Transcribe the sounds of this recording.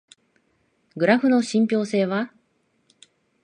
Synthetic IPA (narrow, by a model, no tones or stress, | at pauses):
ɡɯ̟ɾaɸɯ̟no̞ɕĩmpʲo̞ːse̞ːβa